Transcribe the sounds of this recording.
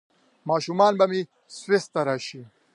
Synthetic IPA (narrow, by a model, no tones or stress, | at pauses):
maːʃumaːnbɐmi | swest̪ːɐɾaːʃi